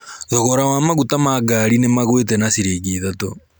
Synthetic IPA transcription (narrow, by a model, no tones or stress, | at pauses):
ðɔɣɔɾawamaɣutamaɡaɾinemaɣwet̬ɛnasiɾeɣiðato